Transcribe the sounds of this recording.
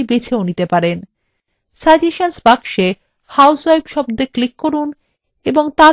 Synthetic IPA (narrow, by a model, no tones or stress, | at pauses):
bet͡ɕʰeonit̪epaɾen | sad͡ʑeʃansbakʃe | hawswajbʃɔbd̪eklikːoɾun | eboŋt̪a